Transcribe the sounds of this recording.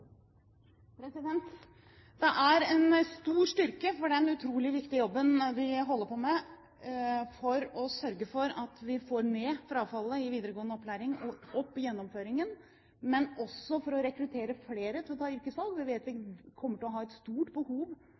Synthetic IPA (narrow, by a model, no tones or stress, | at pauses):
pʰɾɛsɪd̪ɛnt̪ | d̪̥ɛʔæɾɛnst̪uːʂʈʏɾkəfɔɖɛnʉt̪ʰɾuːlɪʋɪkt̪ɪəjɔbːənʋɪɦɔlːəpʰɔmɛ | fɔɾɔsœɾɡəfɔɾɑt̪ʋɪfoːɾmɛːfɾɑːʋfɑlːəɪʋiːd̪əɾəɡoːənəɔpʰːlæːɾɪŋɔɔpːɪjɛnːɔmføːɾɪŋən | mɛnɔsːɔfɔɾɔɾɛkɾʉt̪ʰeːɾəfleːɾət̪ʰɪlɔt̪ʰɑːɪɾkəsɑlɡʋɪʋeːt̪ʋɪkʰɔmːəʈɪlɔɦɑːɛt̪st̪uːʈbəhuːʋ